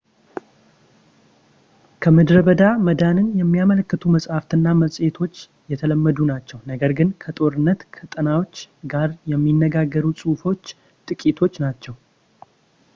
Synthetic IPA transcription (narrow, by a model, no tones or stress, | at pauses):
kʰəmɨd̪ɾəβəd̪aməd̪anɨnjɛmːijamələkːət̪ʰuməsʼhaft̪ɨnːaməsʼet̪ʰo̞t͡ʃː | jɛt̪ʰələmːəd̪unat͡ʃːɛwnəɡəɾɡɨnkʰət̪ʼo̞ɾɨnːət̪kʰət̪ʼənawo̞t͡ʃːɡaɾjɛmːinːəɡaɡːəɾusʼufo̞t͡ʃː | t̪ʼɨkʼit̪ʰo̞t͡ʃːnat͡ʃːɛw